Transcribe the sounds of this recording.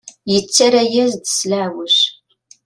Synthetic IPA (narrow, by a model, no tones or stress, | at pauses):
jɪt͡sʰɐɾɐjɛzdɨsɮaːwʊɕ